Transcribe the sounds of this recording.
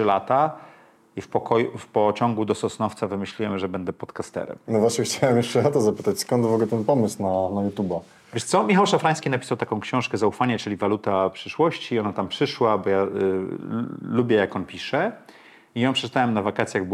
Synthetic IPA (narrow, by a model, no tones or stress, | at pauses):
ɘlat̪a | ifpɔkɔjufpɔt͡ɕɔ̃ŋɡud̪ɔsɔsnɔft̪savɘmɘɕlʲiwɛmʐɛbɛnd̪ɛpɔt̪kast̪ɛ̰ɾɛ̰mnɔvwaɕɲɛxt͡ɕawɛmjɛʂt͡ʂɛɔt̪ɔzapɘt̪at͡ɕskɔnt̪vɔɡlɛt̪ɛnpɔmɘswnanajut̪uba | vʲjɛʂt̪sɔmʲixawʂafɾaj̃skʲinapʲi̥sawt̪akɔ̃w̃kɕɔ̃w̃ʂkɛzaufaɲat͡ʂɘlʲivalut̪apʂɘʂwɔɕt͡ɕiɔnat̪ampʂɘʂwabɔja | lubʲjɛjakɔnpʲiʂɛ | ijɔ̃pʂɛt͡ʂt̪awɛmnavakat̪sʲjaɣb